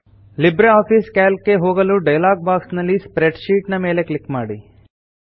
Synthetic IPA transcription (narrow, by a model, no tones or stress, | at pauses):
libɾeaːpʰiːskaːlkːe̞ɦoːɡɐluɖɐjlaːɡ̚baːksnɐlːispɾeɖʃiːʈnɐme̞ːleklikmaːɽi